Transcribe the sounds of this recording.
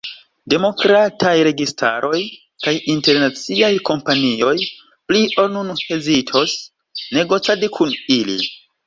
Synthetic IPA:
de̞mo̞kɾatʰajɾe̞ɡistʰa̰ɾʔo̞j | kajinte̞ɾnat͡siajko̞mpanio̞j | pliʔonunhe̞zitʰo̞s | ne̞ɡo̞t͡sadikʰunilḭ

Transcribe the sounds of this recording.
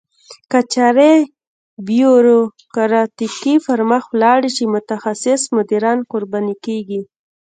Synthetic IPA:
kat͡ʃaɾe | bjoɾo | kaɾɑt̪ikifaɾmaxwlɑɽit͡ʃemʊt̪axasɪsmʊd̪iɾɑnqoɾbɑnikeɡi

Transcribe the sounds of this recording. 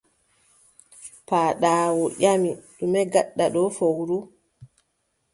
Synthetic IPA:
paːɗaːwɔʔamiɗumɛɡaɗːaɗɔfowɾu

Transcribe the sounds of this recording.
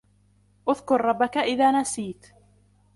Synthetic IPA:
ʔʊðkʊɾˤɾˤɑbːakaʔɪðaːnasiːt̪

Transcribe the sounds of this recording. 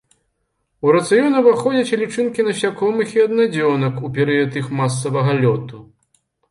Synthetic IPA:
uɾɐt̪sɨjɔnɐvaxɔd͡zʲɐt͡sʲlʲit͡ʂɨnkʲinɐɕʲakɔmɨxiɐd̪nad͡zʲɔnɐkupʲɛɾɨjɐt̪ɨxmas̬ːɐvɐɣɐlʲɔt̪u

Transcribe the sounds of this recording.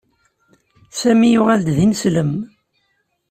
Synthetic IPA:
sæmijʊʁæld̪ðinsləm

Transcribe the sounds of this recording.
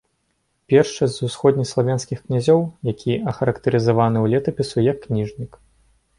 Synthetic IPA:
pʲɛrʂt͡ʂɐsʲzʲzusxɔd̪ʲnʲislˠavʲanskʲixknʲazʲɔwjakʲʰiɐxɐɾɐkt̪ɐɾɨzavanɨwlʲɛt̪ɐpʲisujɐkːnʲiʐnʲik

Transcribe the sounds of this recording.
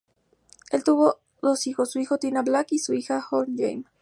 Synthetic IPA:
e̞lt̪uβo̞ | ðo̞sixo̞sːuixo̞t̪inablakisuixaxond͡ʒḛjm

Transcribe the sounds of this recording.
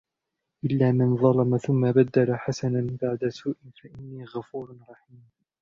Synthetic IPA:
ʔɪlːaːmanðˤɑlɑmaθʊmːabad̪ːalaħasananbaʕd̪asuːʔɪfaʔɪnːiːɣafuːɾɾˤɑħiːm

